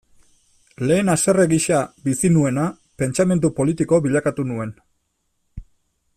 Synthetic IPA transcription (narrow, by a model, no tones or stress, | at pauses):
le̞ːnasere̞ɣiʃabisinue̞na | pe̞nt͡ʃame̞nd̪upo̞lit̪iko̞βiʎakat̪unue̞n